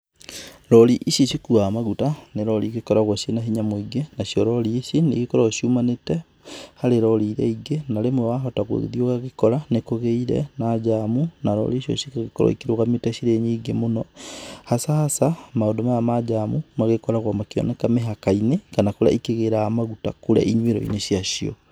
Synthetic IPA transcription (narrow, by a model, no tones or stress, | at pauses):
ɾɔɾiʔiʃiʃikuamaɣutaneɾɔɾiɣekɔɾaɣwaʃenaɦiɲamoiɡenasiɔɾɔɾiʃinḛɣekɔɾɔʃiumanetɛ | haɾeɾɔɾiːɾɛ̰iɡenaɾemwɛwaɦɔtaɣo̰ððioɣaɣekɔɾanekoɣeiɾɛ̰nad͡ʒamunaɾɔ̰ɾiʃiɔ̰ʃikaɣekɔɾɔ̰ikiɾoɣametɛɕiɾeɲiːɡemonɔhasahasamaodomajamad͡ʒamumaɣekɔɾaɣwamakiɔ̰nɛkameɦakainekanakoɾa̰ikeɣeɾaamaɣuta̰koɾa̰ʔiɲweɾɔ̰ḭneʃjaʃiɔ̰